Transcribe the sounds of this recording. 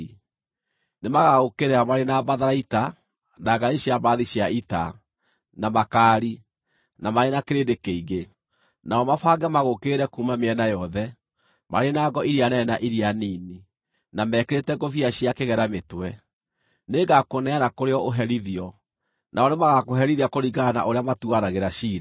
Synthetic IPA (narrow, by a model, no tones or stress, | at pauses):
nemaɣaɣokeɾɛamaɾenabaðaɾaita | naɡaɾiɕiabaːðiɕjaita̰ | namakaːɾi | namaɾenakeɾedekeiɣe | naɔmafaɡɛmaɣokeɾɛkuːmameɛnajɔðɛ | ma̰ɾenaɡɔiɾianɛnaʔiɾianiːni | namɛkeɾetɛɡofiaɕiakeɣɛɾametwɛ | neɡakonɛaɾakoɾeɔoɦɛɾiðiɔ | nʔaɔnemaɣakoɦɛɾiðiakoɾiɣana̰ʔoɾeamatuaɾaɣeɾaʃiːɾa